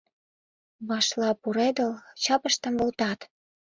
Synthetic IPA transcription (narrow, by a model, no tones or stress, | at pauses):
βɑʃlɑpuɾed̪əlt͡ɕɑpə̆ʃt̪ə̆mβolt̪ɑt̪